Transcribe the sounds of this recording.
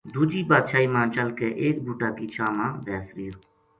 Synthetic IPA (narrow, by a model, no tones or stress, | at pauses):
d̪uːd͡ʒiːbaːd̪ʃaːiːmãːt͡ʃəlkeːʔeːk̚bʱuːʈaːkiːt͡ʃʰaːmãːʋ̪ɛːsɾɪjoː